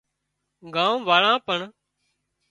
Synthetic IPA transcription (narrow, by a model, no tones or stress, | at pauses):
ɡãːũːʋaːɭãːpəɳ